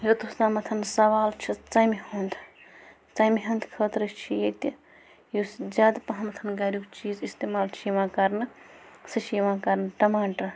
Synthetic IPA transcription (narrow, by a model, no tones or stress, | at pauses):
jot̪ust̪amɐt̪ʰɐnsɐʋaːlt͡ʃʰit͡sɐjmiɦond̪ʰ | t͡sɐjmiɦɐnd̪kʰəːt̪ɾɨt͡ʃʰijet̪i | josd͡ʒaːd̪pɐɦɐmɐt̪ʰɐnɡɐɾukt͡ʃiːzist̪eːmaːlt͡ʃʰiʋãːkɐɾnɨsɨʃiːʋãkɐɾnɨʈɐmaːʈɐ